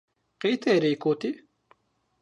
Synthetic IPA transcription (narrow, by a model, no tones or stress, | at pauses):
qit̪ʰeːɾiːkoːt̪i